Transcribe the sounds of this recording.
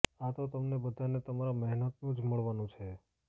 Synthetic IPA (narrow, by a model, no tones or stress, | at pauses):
at̪ot̪əmnebəd̪ʱanet̪əmaɾamɛɦnət̪nũd͡ʒməɭʋanũt͡ʃʰe